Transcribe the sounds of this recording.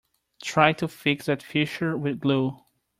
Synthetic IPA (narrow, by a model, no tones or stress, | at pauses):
tʰɹaɪtufɪksɨtfɪʃə˞wɪðɡlu